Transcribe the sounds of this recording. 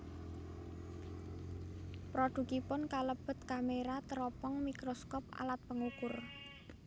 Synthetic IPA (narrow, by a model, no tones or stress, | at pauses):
pɾɔɖ̪̥ṳkipʊnkaləb̥ə̤t̪kameɾat̪əɾɔpɔŋmikɾɔskɔpa̰lat̪̚pəŋukʊr